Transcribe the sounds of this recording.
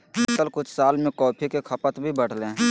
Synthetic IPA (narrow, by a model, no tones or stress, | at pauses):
t̪əlkʊt͡ʃʰsaːlmẽkɔːpʰikekʰəpət̪bʱibəɽ̤lẽː